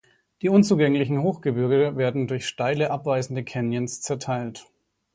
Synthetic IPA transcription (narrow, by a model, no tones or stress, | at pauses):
d̥iːʔʊnt͡suːɡɛŋlɪçn̩hoːxɡ̥əbʏɐɡəəveːɐdn̩dʊɐçʃtaɪləʔapv̥aɪzn̩dəkʰɛnjənst͡sɛɐtʰaɪlt